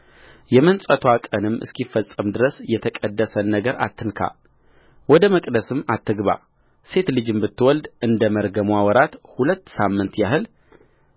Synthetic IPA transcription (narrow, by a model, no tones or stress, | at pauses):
jɛmənsʼət̪ʰwakʼənɨmːʔɨ̰skifːəsʼːəmd̪ɨɾəsjɛt̪ʰəkʼəd̪ːəsənːəɡəɾa̰t̪ʰːɨnkʰa̰ | wɔd̪əməkʼd̪əsɨmːat̪ʰːɨɡβa̰ | se̞t̪lɨd͡ʒɨmbɨt̪ːɨwɔld̪ɨnd̪əməɾɡəmwawɔɾat̪hulət̪ːsamːɨnt̪jaɦɨl